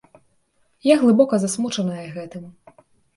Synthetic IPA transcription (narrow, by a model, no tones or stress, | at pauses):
jaɣlˠɨbɔkɐzasmut͡ʂɐnɐjɐɣɛt̪ɨm